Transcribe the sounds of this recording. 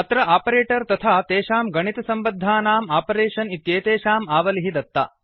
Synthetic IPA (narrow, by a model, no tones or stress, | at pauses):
ɐt̪ɾɐʔaːpɐɾeːʈɐɾt̪ɐt̪ʰaːt̪eːʃaːmɡɐɳit̪ɐsɐmbɐd̪ʱːaːnaːmaːpɐɾeːʃɐnit̪jeːt̪eːʃaːmaːʋɐliɦid̪ɐt̪ːɐ̰